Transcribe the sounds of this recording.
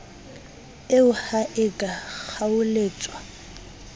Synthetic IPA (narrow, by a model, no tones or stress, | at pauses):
ɪʊhaʔɪkʼak͡xʰaʊleːt͡sʼwa